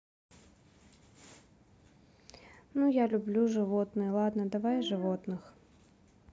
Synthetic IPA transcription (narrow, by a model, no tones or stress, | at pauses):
nujalʲʊblʲuʐɨvɔt̪nɨjəlˠad̪nɐd̪avajʐɨvɔt̪nɨx